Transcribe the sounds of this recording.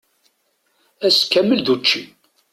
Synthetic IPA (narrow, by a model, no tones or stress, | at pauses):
æskːæmːəlðut͡ʃːi